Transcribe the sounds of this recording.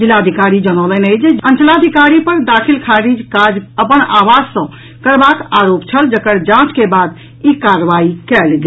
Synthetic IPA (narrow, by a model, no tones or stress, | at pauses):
d͡ʒilːad̪ʱikaɾid͡ʒəñələnəjd͡ʒeənt͡ʃlaəd̪ʱikaɾipəɾd̪akʰilkʰaɾid͡ʒkad͡ʒəpənaʋad͡ʒsə̃ | kəɾbakaɾopt͡ʃʰəld͡ʒəkəɾd͡ʒãt͡ʃkebad̪ | ikaɾəʋaikɛlɡ